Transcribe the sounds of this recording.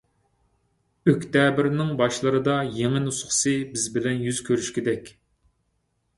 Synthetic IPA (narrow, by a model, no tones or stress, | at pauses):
økʲt̪ɛbɪɾnɪŋbɑʃlˠɨɾɨd̪ɑjeŋɪnusχɨ̥sɨbɪzbɪlɛnjyz̥kʲʰøɾyʃkʲid̪ɛkʲ